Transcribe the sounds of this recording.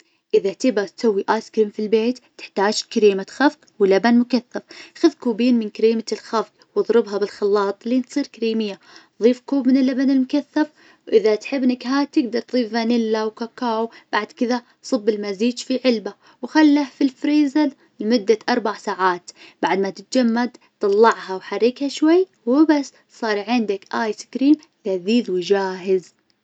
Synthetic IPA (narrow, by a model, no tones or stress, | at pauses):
ʔɪðat̪ɪbat̪sawːiʔaːskɾiːmfilbeːt̪ːɪ̥ħt̪aːd͡ʒkaɾiːmat̪xafq | wɪlabanmʊkaθːafxaðkuːbiːnmɪnkaɾiːmalxafq | wɨðˤɾɪbɦabɪlxɑlːɑːt̪ˤlːiːnsˤiːɾkaɾiːmɪjːa | ðˤiːfkuːbmɪnɪlːabanɪlmʊkaθːaf | wʔɪðat̪ħɪbːnɪkɦaːt̪ɪɡ̚d̪ɑɾˤt̪ðˤiːfːanɪlːawkakaːwb̥aʕd̪kɪða | sˤɨbːɪlmaziːd͡ʒfiʕɪlba | wxalːahfilfɾiːzal | mʊd̪ːaʔɑɾˤbaʕsaːʕaːt̪b̥aʕd̪mat̪ɪt̪̚d͡ʒamːad̪t̪ˤɑlˤːɑʕhawħarːiːkhaʃwajː | wɪbasː | sˤɑːɾˤʕɪnd̪akʔaːjskɾiːmʔɪðaziːðwd͡ʒaːɦɪz